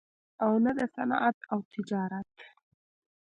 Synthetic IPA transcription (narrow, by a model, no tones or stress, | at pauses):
awnad̪əsanɑ̰ʔat̪awt̪ʰɪd͡ʒɑɾat̪